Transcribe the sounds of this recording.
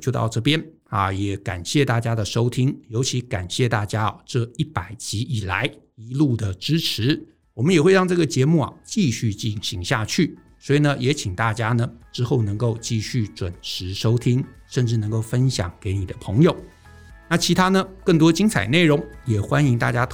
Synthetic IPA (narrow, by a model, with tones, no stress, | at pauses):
t͡ɕjo˥˧t̪ɑ̰˥˧ʊʈ͡ʂɤ˥˩pjɛ˥n | ɐ̰˨jɛ˨˩˦ka̰˨˩nɕjɛ˥˧t̪a˥˩t͡ɕja˥d̪ə˨ʂo˥ʊt̪ʰi˥ŋjo˧˥ʊt͡ɕʰi˧˥ka̰˨˩nɕjɛ˥˧t̪a˥˩t͡ɕja˥˨˩ʈ͡ʂɤ˥˧i˥˩pa˨˩ɪt͡ɕi˧˥ʔi˨˩la̰˧˦ɪi˧˥lu˥˩d̪ə˩ʈ͡ʂɻ̩˥ʈ͡ʂʰɻ̩˧˦ | wɔ˨˩mə˦jɛ˨˩xwe˥˧ɑ˥˧ŋʈ͡ʂɤ˥˩ɡə˩t͡ɕjɛ˧˥mu˥˩ɐ̰˩t͡ɕi˥˧ɕy˥˧t͡ɕi˥˩nɕi˧˥ŋɕja˥˧t͡ɕʰy˥˩ | swɔ˧˥i˨˩nə˦jɛ˧˥t͡ɕʰi˨˩ŋt̪a˥˩t͡ɕja˥nə˨ʈ͡ʂɻ̩˥xo˥˩ʊnɤ˧˥ŋko˥˧ʊt͡ɕi˥˧ɕy˥˩ʈ͡ʂwə˨˩nʂʰɻ̩˧˥ʂo˥ʊt̪ʰi˥ŋ | ʂə˥˧nʈ͡ʂɻ̩˥˩nɤ˧˥ŋko˥˩ʊfə˥nɕjɑ̰˨˩˦ŋke˧˥ɪni˨˩d̪ə˦pʰɤ˧˥ŋjo˨˩ʊ | na˥˩t͡ɕʰi˧˥t̪ʰa˥nə˨kə˥˩ŋt̪wɔ˥t͡ɕi˥ŋt͡sʰa˨˩ɪne˥˩ɪɻʊ˧˥ŋjɛ˨˩xwa˥ni˧˥ŋt̪a̰˥˩t͡ɕja˥t̪ʰ